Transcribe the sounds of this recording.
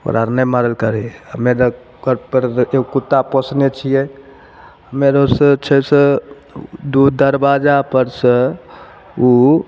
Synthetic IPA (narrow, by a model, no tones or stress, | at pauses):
o̰ɾaɾnəjmaɾəlkəɾɦəmeɾə | kəɾpəɾekut̪ːapɔsnet͡ʃʰijɛ | ɦəmeɾəsət͡ʃʰəsə̃ | d̪ud̪əɾbad͡ʒapəɾsə̃ | u